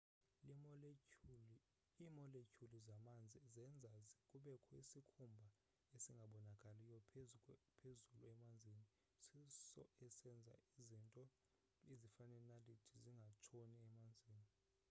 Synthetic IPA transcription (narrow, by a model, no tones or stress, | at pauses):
imɔlecʰʼulizamand͡zʱizɛnd͡zʱazkʼuɓɛkʰɔisikʰumbʱa | esiŋɡʱaɓɔnakʼalijɔpʰpʰezuluɛmand͡zʱiːni | sisɔ̰ɛsɛnd͡zʱa̰izintʼɔ | izifanɛnalitʰiziŋɡʱat͡ʃʰoniɛmand͡zʱiːni